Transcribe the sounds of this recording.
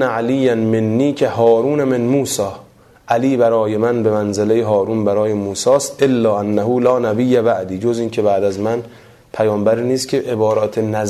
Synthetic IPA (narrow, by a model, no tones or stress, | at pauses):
æʕæliːjænmenːiːcʰehɒːɾuːnæmenmuːsɒː | ʔæliːbæɾɒːje̞mænbe̞mænzelejeɦɒːɾuːnbæɾɒːjemuːsɒːst̪ʔelːɒːʔænːæɦuːlɒːnæbijːæbæʔd̪iːd͡ʒoziːncʰebæʔd̪æzmæn | pʰæjɒːmbæɾiːniːst̪kʲʰeʔebɒːɾɒːt̪ʰenæz